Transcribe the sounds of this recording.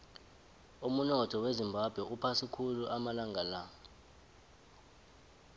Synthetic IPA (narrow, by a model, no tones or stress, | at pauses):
umunɔtʰɔwezimbʱab̥ʱwɛupʰasikʰuluʔamalaŋʱala